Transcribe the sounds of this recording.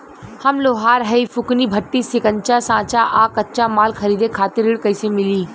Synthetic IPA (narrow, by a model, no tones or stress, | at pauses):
hɐmloːɦaːɾɦɐifʊknibʱɐʈːisɪkənt͡ʃasãːt͡ʃaʔaːkɐtt͡ʃamaːlkʰɐɾiːd̪ekʰaːt̪ɪɾɪɽkɐisemɪliː